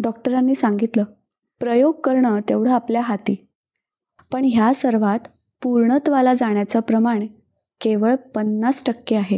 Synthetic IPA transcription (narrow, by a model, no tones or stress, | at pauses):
ɖɔk̚ʈəɾanːiːsaŋɡit̪ləː | pɾəjoɡ̚kəɾɳət̪eʋɽ̤əapljaɦat̪iː | pəɳɦjasəɾʋat̪ | puɾɳət̪ʋalad͡zaɳ̃jat͡sapɾəmaɽ̃e | keʋəɭpənːasʈəkːeaɦe